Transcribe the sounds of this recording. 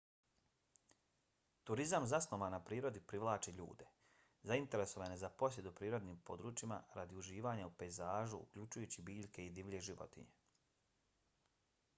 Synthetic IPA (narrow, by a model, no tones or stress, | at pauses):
t̪uɾizamzasloʋanapɾiːɾo̞d̪ipɾiʋlˠaːt͡ʃiʎṵːd̪e̞ | zaint̪e̞ɾe̞so̞ʋanezapo̞sje̞d̪upɾiːɾo̞d̪niːmpo̞d̪ɾuːt͡ʃima̰ɾad̪iuʒiːʋaːɲaupe̞jzaːʒuṵkʎut͡ʃujuːt͡ɕibiːʎʲke̞id̪iʋʎʲe̞ʒiʋo̞̰t̪ḭɲe̞